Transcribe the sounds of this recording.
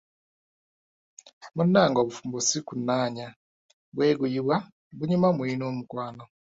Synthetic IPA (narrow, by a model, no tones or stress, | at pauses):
munaːŋɡoβufumbusikunaːɲa | bweːɡujiβwa | buɲumamwiːnomukwaːno